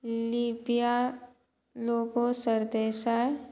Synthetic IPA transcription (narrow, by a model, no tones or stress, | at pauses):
liːbija | loːɡosəɾd̪eːʃa